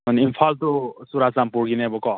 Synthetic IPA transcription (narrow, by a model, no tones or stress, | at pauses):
ʌninpʰalt̪osuɾasampuɾɡinebokɔ